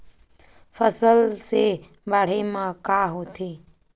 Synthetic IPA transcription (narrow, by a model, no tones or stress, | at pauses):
fəsəlse | baːɽ̤emãkaːɦot̪ʰe